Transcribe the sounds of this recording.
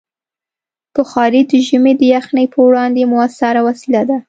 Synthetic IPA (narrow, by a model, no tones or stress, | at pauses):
pəxɑɾid̪əʒəmed̪əjaxnəjpəwɽɑnd̪emʊasaɾawasilad̪a